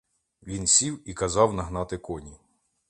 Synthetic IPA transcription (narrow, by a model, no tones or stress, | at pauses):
ʋʲinsʲiwikɐzɑwnɐɦnɑt̪ɪkɔnʲi